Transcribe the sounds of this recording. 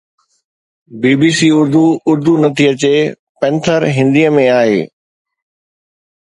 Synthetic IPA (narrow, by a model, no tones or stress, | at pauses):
biːbiːsiːʊɾd̪uʊɾd̪ʱunɐt̪ʰiɐt͡ɕe | pɛ̃nt̪ʰəɾɦɪ̃nd̪iːəmẽaːɦeː